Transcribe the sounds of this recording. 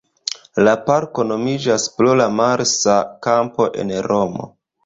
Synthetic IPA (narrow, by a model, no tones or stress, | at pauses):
lapaɾko̞no̞mid͡ʒaspɾolamaɾsakampo̞ʔe̞̰nɾomo̞̰